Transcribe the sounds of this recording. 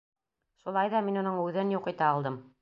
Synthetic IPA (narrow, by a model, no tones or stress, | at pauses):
ʃulˠɑjðɑminŏnɤɴʉðɘnjuqɤ̆t̪ɑːlˠd̪ɤm